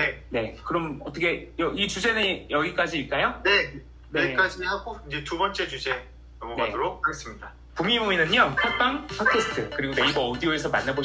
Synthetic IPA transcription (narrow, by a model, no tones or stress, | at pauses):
nene̞kɯɾʌmʌt͈ʌkʰe̞jʌit͡ɕud͡ʑe̞nɯnjʌɡik͈ad͡ʑiːɭk͈ajone̞ | neik͈ad͡ʑihaɡoind͡ʑe̞tubʌnt͡ɕ͈e̞t͡ɕud͡ʑe̞ | nʌmʌɡadoɾok̚haɡe̞s͈ɯmɲida | pumibominɯɲopʰak̚p͈aŋpʰakʰesʰɯ̥tʰɯkɯɾiɡonde̞ibʌodioe̞sʰʌmanːabo